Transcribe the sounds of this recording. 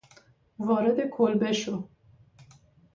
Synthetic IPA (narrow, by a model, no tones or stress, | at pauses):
vɑːɾɛd̪ekʰolbɛʃo